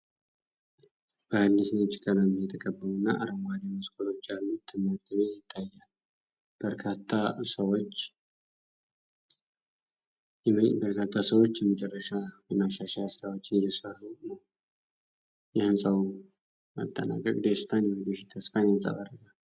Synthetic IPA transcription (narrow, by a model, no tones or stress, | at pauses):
b̥əhɨːɨsnət͡ʃɪ̥kʰʼːəlamjɛt̪ʰəkʼəbːəlunːa̰ʔa̰ɾəmɡʷad̪eməskʰʼolo̞t͡ʃːjalːut̪ʰɨmːad̪ɡəβejɪt̪ʰːajːal | b̥əɾkʰat̪ʰːasəwot͡ʃː | bəɾkʰat̪ʰːasəwo̞t͡ʃːjɛmət͡ʃʼɛrːəʃajɛmaʃaʃajsɨɾawot͡ʃːɪnjɛsərːunə | jɛhɨnsʼawu | mə̰t̪ʼːə̰na̰kʼːəkʼd̪esɨ̥t̪ʰanjɛwɨd̪əfit̪ʰːəsfanjnsʼa̰βarːəɡal